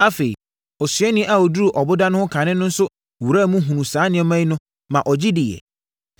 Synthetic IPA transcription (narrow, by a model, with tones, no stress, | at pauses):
a˦fe˨ḭ˨ | ɔ˨sɥɛ˦nɪ̃˦ʔa˨ɔ˨du˦ɾu˨ʔɔ˨bʊ˦da˦nʊ̃˦hʊ̃˦kʰã˨nɪ̃˦nʊ̃˦n̩˦sʊ˦ | wu˨ɾa˦˨mũ˦ɦũ˨nũ˨saː˨˦nɪ̃˨˦ɛ˦mã˦i˦nʊ̃˦ | mã˨ʔɔ˨d͡ʑɪ˦dɪ˨jɛ̰˨